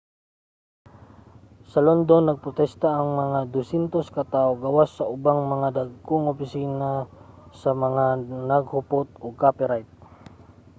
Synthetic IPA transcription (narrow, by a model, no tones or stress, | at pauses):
sɐlond̪onːɐɡ̚pɾot̪ɛst̪aʔːŋmɐŋad̪ʊsɛnt̪oskɐt̪awɡawasːɐʔʊbaŋmɐŋad̪aɡ̚koŋopɪsiːna | sɐmɐŋanɐɡhʊpot̪̚oɡ̚kapɛɾajt̪̚